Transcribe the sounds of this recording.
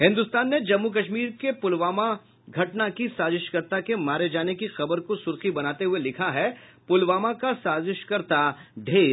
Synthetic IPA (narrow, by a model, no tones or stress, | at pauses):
ɦɪ̃nd̪ʊst̪aːnːed͡ʒɐmːuk̬ɐʃmiːɾkepʊlʋaːma | ɡʱɐʈnakisaːzɪʃkəɾt̪akemaːɾed͡ʒaːnekixɐbəɾkosʊɾxibɐnaːt̪eɦʊelɪkʰaɦɛpʊlʋaːmakasaːzɪʃkəɾt̪aɖʱeː